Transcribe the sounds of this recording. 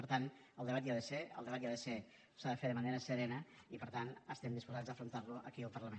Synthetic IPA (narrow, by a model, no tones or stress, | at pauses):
pəɾt̪an | əlˠd̪əβat̪iaðəseə̰lˠd̪əβat̪jaðəse | saðəfeðəməneɾəsəɾɛnə | ipəɾt̪anəst̪ɛmd̪ispuzad͡zzðəfɾunt̪aɾluə̰kiəlˠpəɾləmen